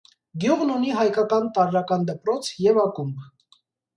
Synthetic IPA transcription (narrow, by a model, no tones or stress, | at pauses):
ɡjuʁnuniɦɑjkɑkɑnt̪ɑɾɾɑkɑnd̪əpɾɔt͡sʰjɛvɑkumb